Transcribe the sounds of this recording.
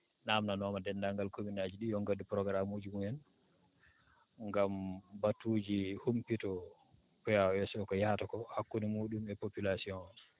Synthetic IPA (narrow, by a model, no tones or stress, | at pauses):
namnanɔmadɛndaŋɡalkominad͡ʒiɗijɔŋɡadupɾɔɡɾamud͡ʒumuɛn | ŋɡambatud͡ʒihumpitɔ | pɛjawɛsɔkɔjahatakɔhakːunimuːɗumɛpopilasiɔ̃n